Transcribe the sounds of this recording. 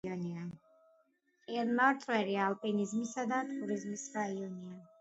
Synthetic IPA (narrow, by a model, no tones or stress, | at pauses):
ɔnia | ɛɾnaɾt̪ʼwɛɾiaːlˠpʼinizmisad̪at̪ʼuɾizmisɾaiɔnia